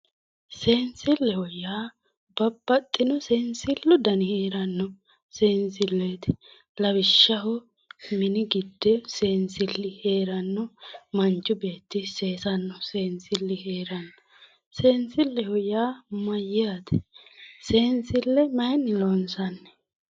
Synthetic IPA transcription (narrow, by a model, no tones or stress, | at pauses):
se̞ːnsɪlːɛhɔjːaː | bɐbːɐt̪ʼːɪnɔseːnsɪlːʊd̪ɐnɪheːɾɐnːɔ | seːnsɪlːeːt̪ɪ̥ | lɐbɪʃːɐɦɔ | mɪnɪɡɪd̪ːɛse̞ːnsɪlːɪhe̞ːɾɐnːɔmɐnt͡ʃːʊbe̞ːt̪ːɪse̞ːsɐnːɔse̞ːnsɪlːɪheːɾɐnːɔ | se̞ːnsɪlːɛhɔjaːmɐjaːt̪ɛ̥se̞ːnsɪlːɛmɐjnɪlonsɐnːɛ̥